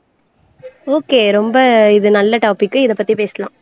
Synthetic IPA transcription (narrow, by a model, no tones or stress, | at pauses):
oːkeːɾɔmbɐɪðɯnɐlːɐʈaːpɪkːɯɪðɐpːɐt̪ːipeːsɐlãː